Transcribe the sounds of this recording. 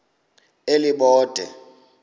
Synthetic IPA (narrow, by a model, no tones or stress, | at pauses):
eliɓɔːd̥ʱɛ̰